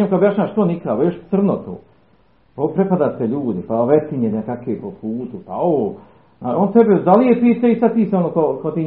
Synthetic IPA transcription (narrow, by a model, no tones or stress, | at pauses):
emkaobjaʃɲaːaʃt̪onikaboʃsr̩not̪o̰ː | popɾepad̪aːt̪eʎuːd̪ipaʋet̪iɲenekakʋepopʰuːt̪upaoː | aont̪ebd̪alijepiːt̪ait̪at̪iːseonokokot̪iː